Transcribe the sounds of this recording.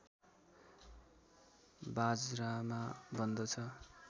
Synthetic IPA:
bad͡zramabʱʌnd̪ʌt͡sʰʌ

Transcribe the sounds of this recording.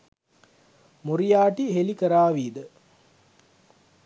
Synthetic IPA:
muɾijaːʈiɦelikəɾaːʋiːd̪ə

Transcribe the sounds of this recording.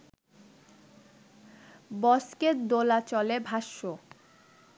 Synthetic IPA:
bɔsket̪d̪olat͡ɕɔlebʱaʃːo

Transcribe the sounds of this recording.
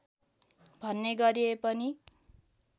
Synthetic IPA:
bʱʌnːeɡʌɾiepʌni

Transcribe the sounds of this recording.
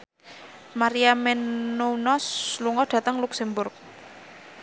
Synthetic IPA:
maɾiamɛnːonɔsluŋɔɖ̥ä̤t̪əŋluksɛmbʊrk̚

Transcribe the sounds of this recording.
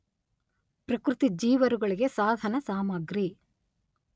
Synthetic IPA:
pɾɐkɾut̪id͡ʒiːʋɐɾuɡɐɭiɡe̞saːd̪ʱɐnɐsaːmɐɡɾi

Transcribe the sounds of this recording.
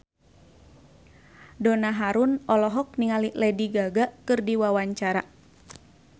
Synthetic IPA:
dɔnaɦaɾunʔɔlɔɦɔk̚niŋaliʔlɛdiɡaɡaʔkɨrdiwawaɲt͡ʃaɾa

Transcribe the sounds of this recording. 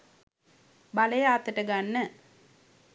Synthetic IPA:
baləjəat̪ːəʈəɡanːə

